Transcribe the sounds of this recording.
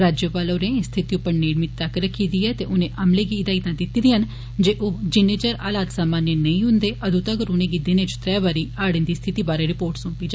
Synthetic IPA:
ɾaːd͡ʒjəpaːloːɾɛːẽst̪ʰɪt̪iːʊpːəɾneːɽmɪt̪əkɾəkʰːiːd̪iːɛːt̪eːʔʊnẽːʔəmleːɡiːɪd̪aːit̪ãːd̪ɪt̪iːd̪iːɦən | d͡ʒeːʔoːd͡ʒɪneːt͡ʃəɾaːlaːt̪saːmaːnːenəĩːɦʊ̃nd̪eːʔəd̪uːt̪aːɡəɾʊnẽːɡiːd̪ɪnẽːt͡ʃt̪ɾɛːbaːɾiːaːɽənd̪iːst̪ʰɪt̪iːbaːɾeːɾɪpoːɾʈsʊ̃mpiːd͡ʒa

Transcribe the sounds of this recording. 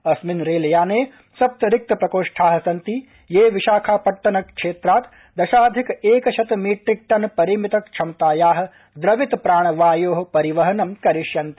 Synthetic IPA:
ɐsminɾeːlɐjaːneː | sɐp̚t̪ɐɾɪk̚t̪ɐpɾɐkoːʂʈʰaːɦɐ̆sɐnt̪i | jeːʋiʃaːkʰaːpɐʈːɐnɐkʂeːt̪ɾaːt̪ | d̪ɐʃaːd̪ʱikeːkɐʃʰɐt̪miːʈɾik̚ʈɐnpɐɾiːmit̪ɐkt͡ʃʰɐmt̪aːjaːɦɐ̆ | d̪ɾɐʋit̪pɾaːɳ̃ɐʋaːjoːɦɐpɐɾiʋɐɦɐnɐmkɐɾiʃjɐnt̪i̥

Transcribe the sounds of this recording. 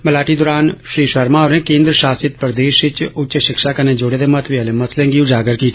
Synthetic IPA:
məlaːʈiːd̪oːɾaːnʃɾiːʃəɾmãːoːɾẽːkẽːnd̪ɾəʃaːsɪt̪̚pɾd̪eːʃɪt͡ʃʊt͡ʃʃɪkʃaːkənẽd͡ʒoːɽeːd̪emət̪ʰʋiəlẽməslẽːŋɡiːʊd͡ʒaːɡəɾki

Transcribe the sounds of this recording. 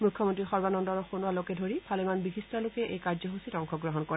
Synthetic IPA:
mukʰːjɔmɔntɹixɔɹbanɔndɔɹɔxonualokɛdʱoɹipʰalɛmanbixistalokɛʔḛjkaɹzɔɦusitɔŋkʰɔɡɹɔɦɔnkɔɹɛ

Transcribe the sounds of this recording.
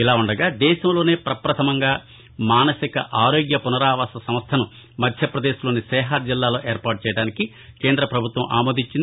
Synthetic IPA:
ilaːuɳɖɐɡaːd̪ɛːʃɐmlo̞ːne̞ːpɾɐpɾɐt̪ʰɐmɐŋɡaː | maːnɐsikɐ̰ʔaːɾo̞ːɡjɐpunɐɾaːʋaːsɐsɐmst̪ʰɐnu | mɐd̪ʱjɐpɾɐd̪eːʃlo̞ːnisɛːɦaːd͡ʒilːaːlo̞ːʔeːɾpaːʈ̚t͡ʃɛːjɐɽaːniki | ke̞ːnd̪ɾɐpɾɐbʱut̪ʋɐmʔa̰ːmoːd̪iɲt͡ʃind̪

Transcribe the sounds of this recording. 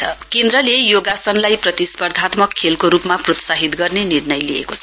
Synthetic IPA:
ʌkend̪ɾʌlejoɡasʌnlajprʌt̪ispʌrd̪ʱat̪mʌkʰːelkoɾupmaprot̪saɦit̪ɡʌrnenirnʌjliḛkot͡sʰʌ

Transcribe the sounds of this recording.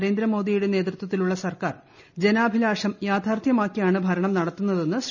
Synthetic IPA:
ɾe̞ːnd̪ɾɐmo̞ːd̪ijuɽene̞ːt̪rɨt̪wɐt̪ːiluɭːɐsɐrkaːr | d͡ʑe̞naːbʱilaːʂɐmjaːd̪ʱaːrt̪ʰjɐmaːkːijaːɳɨbʱɐɾɐɳɐmnɐɽɐt̪ːunːɐðe̞nːɨs

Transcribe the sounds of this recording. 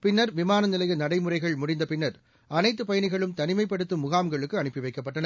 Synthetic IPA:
pɪnːɐɾʋɪmaːnɐnɪlɐjɐnɐɽɐɪmʊrɐɪɣɐɭmʊɽɪnd̪ɐpɪnːɐɾ | ʔɐnɐɪt̪ːɯpɐjɐɳɪɣɐɭɯmt̪ɐnɪmɐɪpːɐɽɯt̪ːɯmʊɣaːmɡɐɭɯkːɯɐɳɯpːɪʋɐɪkːɐpːɐʈːɐnɐ

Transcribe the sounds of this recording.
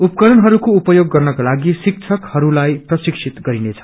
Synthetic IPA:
upkʌɾʌnɦʌɾukoupʌjoɡːʌrnʌkalaɡisik̚t͡sʰʌkhʌɾulajprʌsiksʰit̪ɡʌɾinet͡sʰʌ̥

